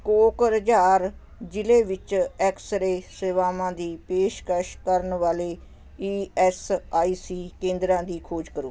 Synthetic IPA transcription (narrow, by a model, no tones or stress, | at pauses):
koːkəɾəd͡ʒaːɾ | d͡ʒɪleːʋɪt͡ʃɛːksəɾeːseːʋaːmãːd̪iːpeːʃkəʃkəɾənʋaːleː | iːɛsaːiːsiːkẽːnd̪ɾãːd̪iːkʰoːd͡ʒkəɾoː